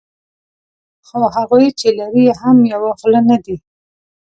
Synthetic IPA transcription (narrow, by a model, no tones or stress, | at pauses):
xohaɣujt͡ʃelaɾihamjawaɣlanad̪i